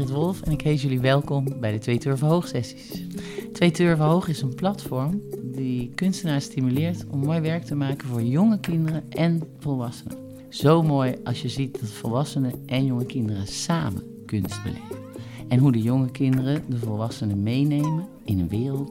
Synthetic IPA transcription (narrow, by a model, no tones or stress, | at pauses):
ətʋɔlˠfɛnɪkɦejt̬jɵliʋɛlˠkɔmbɛjdətʋejtøɹvəɦowχsɛsi̥stʋejtøɹvəɦowχɪsənplɑtfɔɹmdikɵnstənaːɹstimylɪːɹtɔmːoːjʋɛɹk̚təmaːkənvʊːɹjɔŋəkɪndərəʔɛnvɔlˠʋɑsən̰ə | z̥owmoːjɑ̰sjəzit̚dɑtfɔlˠʋɑsənəʔɛnjɔŋəkɪndərəsaːmə̰n | kɵnst̚bə̰lɛ̰vəɛnɦudəjʊŋəkɪndərədəvɔlˠʋɑsənəmejnejmə | ɪnənʋɪːrəlˠt